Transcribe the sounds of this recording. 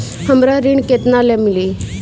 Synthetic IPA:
həmɾaɾiɳket̪nalamili

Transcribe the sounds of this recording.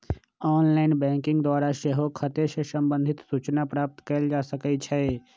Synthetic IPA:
ɔːnlaːɪnbɛ̃ːŋkɪ̃ŋɡd̪waːɾaʃeɦokʰət̪eʃəsə̃mbə̃nd̪ʱɪt̪suːt͡ʃnapɾaːp̚t̪kəld͡ʒaːsəkət͡ʃʰɛ

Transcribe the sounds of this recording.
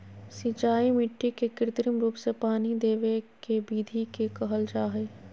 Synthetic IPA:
sĩt͡ʃaːimɪʈːikekɪɾɪt̪ɾimɾuːpsepaːnid̪eːʋekebiːd̪ʱikekəɦəld͡ʒaːɦeː

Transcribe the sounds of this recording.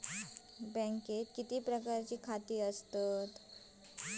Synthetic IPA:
bɛ̃ŋket̪kit̪iːpɾəkaɾt͡ɕiːkʰat̪iːəst̪ət̪

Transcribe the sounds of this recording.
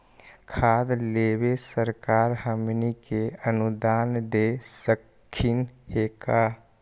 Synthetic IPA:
kʰaːd̪leːwesəɾkaːɾɦəmnikeənud̪aːnd̪eːsəkkʰːɪnheːka

